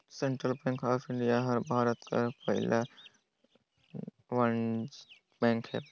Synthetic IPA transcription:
sẽɳʈɾəlpɛ̃ːŋkaːpʰɪ̃ɳɖijaɦɐɾbʱaːɾət̪ka̰pɐɦɪlʔa | ʋɐn | pɛ̃ːŋkɦɛ̰ː

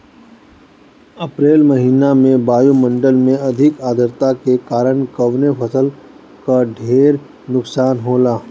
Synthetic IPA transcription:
ɐpɾeːlmɐɦiːnamẽbaːjumə̃ɳɖəlmẽɐd̪ʱɪkaːd̪ʱəɾt̪akekaːɾəɳkɐʋnepʰɐsəl | kaɖʱeːɾ | nʊksaːnɦoːlaː

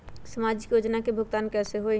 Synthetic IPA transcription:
səmaːd͡ʒɪkjoːd͡ʒnakebʱʊɡt̪aːnkɛːseɦoe

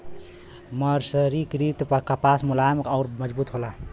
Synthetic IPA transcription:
məɾsəɾikɾit̪pəkapasmulamekaʊɾməd͡ʒbut̪ɦola

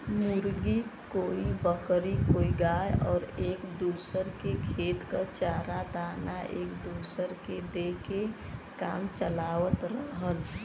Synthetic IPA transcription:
muɾɡikoːibəkɾikoːiɡajɔːɾeːkd̪uːsəɾkekʰeːt̪kət͡ʃaːɾad̪aːnaʔeːkd̪usəɾked̪eke | ka̰ːmt͡ʃəlaːʋət̪ɾəɦət̪

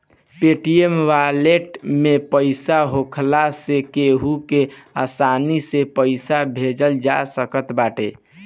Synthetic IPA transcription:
peʈiemʋaleʈmepəɪsaɦokʰlasekeɦukeasanisepəɪsabʱed͡ʒəld͡ʒasəkət̪baʈe

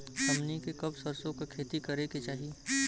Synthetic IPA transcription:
ɐmnikekɐbsɐɾsõkakʰeːt̪ikɐɾeket͡ʃaːɦi

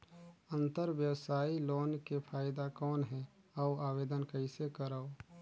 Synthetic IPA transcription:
ə̃nt̪əɾʋjəwsaːiloːnkepʰaːɪd̪akɔːnɦɛ | əaːweːd̪ənkəɪsekəɾao

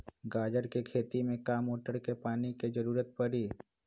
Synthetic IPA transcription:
ɡaːd͡ʒəɾkekʰeːt̪imẽkaːmoːʈəɾkepaːniked͡ʒəɾuːɾət̪̚pəɾiː

